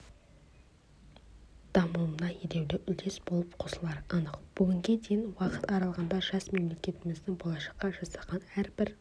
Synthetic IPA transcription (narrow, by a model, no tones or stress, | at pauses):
d̪̥ɑmumnɑjed̪e̞wd̪eʔʏld̪e̞sb̥o̞lˠəpqʰosəlˠɑɾənəqb̥ʊɡʲɪŋɡʲe̞d̪ejɪnwɑqət̪ɑɾɑlˠʁɑnd̪ɑʒɑsme̞mle̞kʲe̞t̪ɪmɪzd̪ɪŋbolˠɑʃɑ̥qːɑʒɑsɑʁɑnæɾbɪɾ